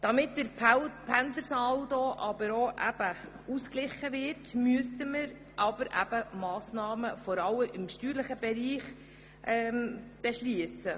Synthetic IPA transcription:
d̥ɑmɪtdəɾpʰænd̪ləɾsɑldoʔɑbəɾoʔæb̥ə | usklɪχəvɪrtmyəstəməɾ | ʔɑb̥əɾʔæ̰b̥əmɑːsnɑːməfɔɾɑlːəʔɪmʃtyːɾləχəbɛɾiːχ | ʔɛmb̥eʃliəsə

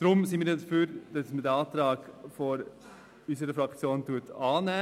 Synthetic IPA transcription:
d̥ɾʊmsɪnmiːɾjɛdəfyːɾd̥ɑsmədɛɑːt̪ɾɑːɡfoɾ | ysəɾəfɾɑkt͡sjoːntuːətʰɑːnæː

